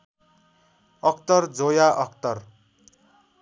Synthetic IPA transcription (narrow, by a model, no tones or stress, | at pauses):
ʌk̚ʰt̪ʌrd͡zojaʔʌk̚t̪ʌr